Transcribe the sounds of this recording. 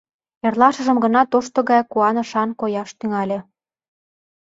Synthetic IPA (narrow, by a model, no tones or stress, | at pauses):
erlɑʃə̆ʒə̆mɡə̆nɑt̪oʃt̪ŏɣɑjkuɑnɤ̆ʃɑnkojɑʃt̪yŋɑlʲĕ